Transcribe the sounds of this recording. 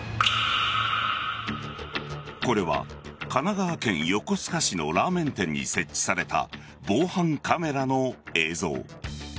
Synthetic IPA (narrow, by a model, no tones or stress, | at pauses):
ko̞ɾe̞βa̰kanaɡaβːkẽ̞ɰ̃jo̞ko̞sɨ̥kaɕino̞̰ɾaːmẽ̞nt̪ẽ̞ɲ̟ːḭse̞t͡ɕːi̥saɾe̞t̪a̰ | bo̞ːhãŋkʰame̞ɾano̞e̞ːzo̞̰ː